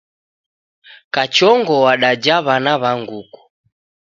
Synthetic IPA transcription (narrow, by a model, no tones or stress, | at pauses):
kat͡ʃɔŋɡɔwaɗad͡ʒaβanaβaŋɡuku̥